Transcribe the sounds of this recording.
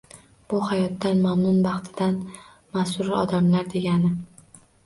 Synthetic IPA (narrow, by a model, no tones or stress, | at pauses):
b̥ʊhajɒt̪ːanmamnʊnbɑχt̪ʰɪd̪an | masʊɾɪɒd̪amlaɾd̪e̞ɡʲanɪ